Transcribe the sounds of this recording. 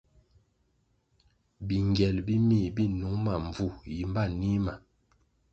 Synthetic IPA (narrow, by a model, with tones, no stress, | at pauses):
bi˨ŋɡjɛ˨lbi˦mi˦˨bi˦nu˨˦ŋma˨ɱ˨b͡vu˨ji˨m˦ba˦˨ni˦ma˨